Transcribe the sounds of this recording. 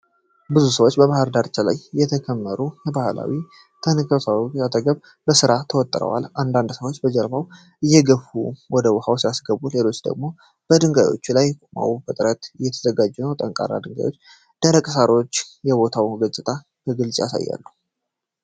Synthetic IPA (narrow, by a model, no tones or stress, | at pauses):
bɨzusəwot͡ʃːbəβahəɾd̪aɾt͡ʃʰala̰jjɛt̪ʰəkʰəmːəɾujɛbahala̰wi | t̪ʰənɨkʰəsawat̪ʰəɡəβ | bəsɨɾat̪ʰəwɔt̪ʼːɾə̰wa̰lʔand̪and̪səwot͡ʃːbəd͡ʒəɾbaw | ʔɨjːɛɡəfuwɔd̪əwhawsijasɡəβule̞lo̞t͡ʃːd̪ə̰ɡmo̞ | b̥əd̪ɨŋɡajwo̰t͡ʃːulajma̰wfət̪ʼɨɾət̪ɨjːɛt̪ʰəzəɡad͡ʒːɛnəwt̪ʼəŋkʼa̰rːa̰d̪ɨŋɡa̰jwo̞t͡ʃː | d̪̥əɾəkʼəsaɾot͡ʃːjɛbo̞t̪ʰawɡət͡ʃʼːɪt̪ʰʼa | kəɡɨlsʼja̰sa̰jːa̰lːəh